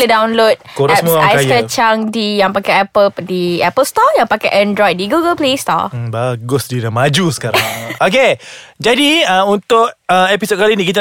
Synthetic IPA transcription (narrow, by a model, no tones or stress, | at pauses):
lədawnlot̚koɾɛspmuakakat͡ʃaŋdijaŋpakaɛpəldiɛpəlst̪ɔjaŋpakaʔɛ̃ndɾɔjt̚diɡuɡəlplest̪ɔ̰baɡʊsdidamad͡ʒusə̥kaɾŋok̬ed͡ʒadiəunt̪ʊk̚əepisot̚kalinikit̪a